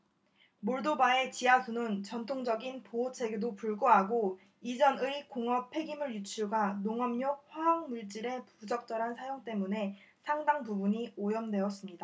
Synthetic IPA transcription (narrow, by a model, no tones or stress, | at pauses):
moɭdobae̞t͡ɕiasʰunɯnt͡ɕʌntʰoŋd͡ʑʌɡinpoot͡ɕʰe̞ɡedopuɭɡoɦaɡo | id͡ʑʌnɯik͈oŋʌpʰe̞ɡimɯɭjut͡ɕʰuɭɡanoŋʌmɲoɸwaɦaŋmuɭt͡ɕ͈iɾe̞pud͡ʑʌk̚t͡ɕ͈ʌɾɦansʰajoŋt͈e̞mune̞ | sʰaŋdaŋpubuɲiojʌmdwe̞ʌs͈ɯmɲida